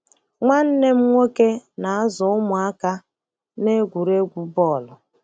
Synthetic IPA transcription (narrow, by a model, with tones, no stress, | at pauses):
ŋʷa˦n̩˦ne˦m̩˦ŋʷo˦ke˦na˨a˦zʊ˨ʊ˦mʊ˨a˦ka˦ | ne˦ɡʷu˨ɾe˦ɡʷu˦bɔ˦˨lʊ˨